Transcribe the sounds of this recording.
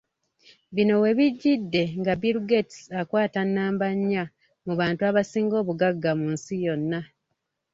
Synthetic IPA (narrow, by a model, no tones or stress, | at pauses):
βino̞we̞βiɟːidːe̞ŋɡabiɾuɡetsakwaːtanːaːmbaɲːa | muβaːntuaβasiːŋɡo̞ːβuɡaɡːamunsijo̞nːa